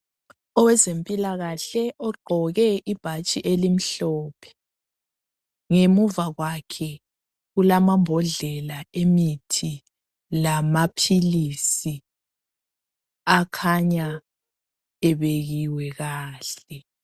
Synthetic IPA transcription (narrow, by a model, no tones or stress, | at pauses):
ɔwɛzempʼilaɣaɬɛʔɔɡ͡ǃʱɔɣɛʔib̥ʱat͡ʃʼiʔelim̩ɬɔːpʰɛ̥ | ŋemuvaɣwakʰɛ | ɣulamambʱɔɮɛlaemitʰi | lamapʰilisi | akʰaɲa | ɛβeɣiwɛɣaːɬɛ